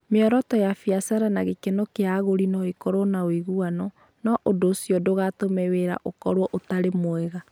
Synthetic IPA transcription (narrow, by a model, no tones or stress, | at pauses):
meɔɾɔtɔjafiasaɾanaɣekenokeaɣoɾinɔikoɾonawiɣuanɔ | nɔʔodoːsiɔdoɣatomeweɾa̰ʔokɔɾwɔʔotaɾemoɛɣa